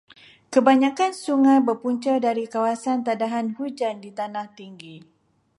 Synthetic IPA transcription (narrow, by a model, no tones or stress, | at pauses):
kəbaɲãkansuŋajbərpuɲt͡ʃərdaɾikawasant̪adaɦanhud͡ʒandit̪anaht̪iŋɡi